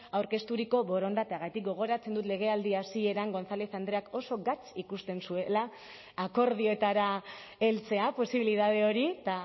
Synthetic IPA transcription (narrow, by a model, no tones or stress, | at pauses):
awɾke̞st̪uɾiko̞βo̞ɾo̞nd̪at̪eaɣajt̪ik̚ɡo̞ɣ̞o̞ɾat͡se̞nd̪ut̪le̞ɣ̞e̞ald̪iasie̞ɾaŋɡo̞nsaleθand̪ɾe̞ako̞so̞ɡat͡sikust̪e̞nsue̞laː | ko̞ɾð̞io̞et̪aɾa | elt͡se̞apo̞siβiliðað̞e̞o̞ɾit̪a